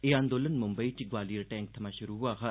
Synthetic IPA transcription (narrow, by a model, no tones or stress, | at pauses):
eãːnd̪oːlənmʊmbəit͡ʃiɡʋaːliəɾʈɛ̃ːŋk̚t̪ʰɐmãʃʊɾuɦuaxa